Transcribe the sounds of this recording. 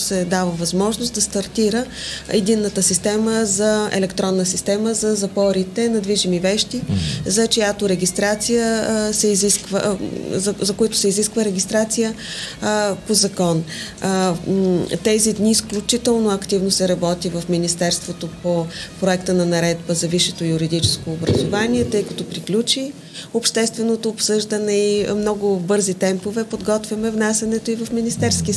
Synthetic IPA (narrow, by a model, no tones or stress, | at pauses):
sɛd̪avəvɐzmɔʒnosd̪ɐst̪ɐɾt̪iɾəɛd̪inːət̪əsist̪ɛməzɐɛ̰lɛkt̪ɾɔnːəsist̪ɛməzɐzɐpɔɾit̪ɛnɐd̪viʒimivɛʃt̪izɐt͡ʃojat̪oɾɛɡʲist̪ɾat̪sijəsɛiziskvə̰ | zɐkojat̪o̥sɛiziskvəɾɛɡʲist̪ɾat̪sijə | pozɐkɔn | t̪ɛzid̪niːsklʲut͡ʃit̪ɛlˠnoɐkt̪ivnosɛɾɐbɔt̪ivɐfminist̪ɛɾst̪vot̪opopɾoɛkt̪ənɐnɐɾɛd̪bəzɐviʃɛt̪ojuɾid̪it͡ʃɛ̥skoːbɾɐzovanʲiɛt̪ɤjkɐt̪opɾiklʲut͡ʃi | opʃt̪ɛst̪vɛnot̪oːpsɤʒd̪ənɛimnɔɡʊbɤɾzit̪ɛmpovɛpod̪ɡɔt̪vʲjɐmɛvnasʲɐnɛt̪oivɐfminist̪ɛɾski